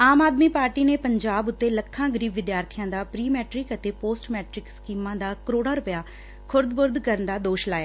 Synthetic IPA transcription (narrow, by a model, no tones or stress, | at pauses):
aːmaːd̪miːpaːɾʈiːneːpəɲd͡ʒaːbʊt̪ːeːləkʰːãːɡəɾiːbʋɪd̪jaːɾt̪ʰijãːd̪aːpɾiːmɛːʈɾɪkət̪eːpoːsʈmɛːʈɾɪkskiːmãːd̪aːkəɾoːɽaːɾʊpəjaː | kʰʊɾd̪bʊɾd̪kəɾənd̪aːd̪oːʃlaːjaː